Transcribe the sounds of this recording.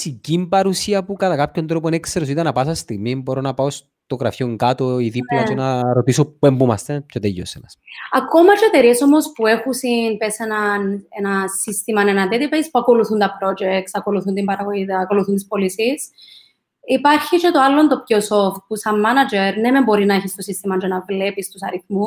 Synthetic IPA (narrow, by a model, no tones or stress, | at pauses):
sicimpɐɾusiɐpukɐt̪akapçont̪ɾoponekseɾosit̪ɐnɐpasɐst̪iɣmimboɾonɐpaos | t̪oɣɾɐfjioŋkat̪oiðiplot͡ʃenaɾot̪isopembumɐst̪et͡ʃot̪ejːo̰senɐsako̞mɐt͡ʃet̪eɾieso̞mo̞spuexusinpesenɐnenɐsist̪imɐnenɐd̪et̪ipejspuɐko̞luθunt̪ɐpɾo̞d͡ʒekt̪sɐko̞luθunt̪imbɐɾɐɣojit̪ɐːko̞luθunt̪ispolisis | ipaɾçit͡ʃet̪oalːont̪op̚cosoft̪̚pusɐmːanɐd͡ʒeɾnemembo̞ɾinɐeçist̪osist̪imɐnd͡ʒonɐvle̞pist̪usɐɾiθmu